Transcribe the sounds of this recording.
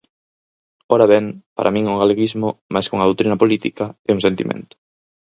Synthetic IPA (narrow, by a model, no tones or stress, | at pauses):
oɾaβɛŋpa̰ɾʔa̰mĩŋuŋɡaleɣizmʊmajskoŋɐð̞owt̪ɾinɐpolit̪ikaɛuŋsent̪ḭmʔḛ̃nt̪ʊ̥